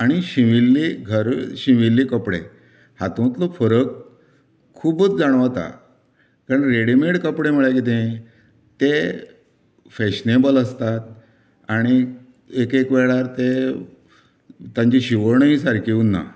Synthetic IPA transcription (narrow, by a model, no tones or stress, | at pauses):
aɽ̃iɕiʋilːiɡʱəɾɕiʋilːikəpɽḛ | hat̪õt̪lofəɾək | kʰːuːbət͡sd͡zaɽ̃ʋat̪a̰ | kaɾənɾeɽimeɽkəpɽem̤əɭjakit̪ẽ | t̪e | feɕnebələst̪at̪̚ | aɽ̃i | ekekʋeɭaɾt̪e | t̪jãɲt͡ɕiɕiʋəɾɳəɦisaɾkʰiunːa̰